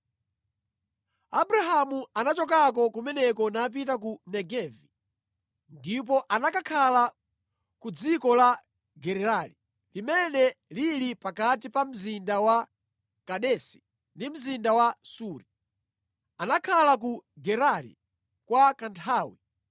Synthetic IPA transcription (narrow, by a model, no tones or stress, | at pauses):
abuɾaɦamuanat͡ʃɔkak̬ɔkumɛnɛkɔnap̬itakunɛɡɛvi | ndip̬ɔʔanakakʰala | kud͡zikɔla | ɡɛɾɛɾali | limɛnɛlilipakat̬ipam̩zindawa | kaɗɛsi̥ | ndim̩zindawasuːɾi | anakʰalak̬uɡɛɾalḭ | kwakantʰaːwḭ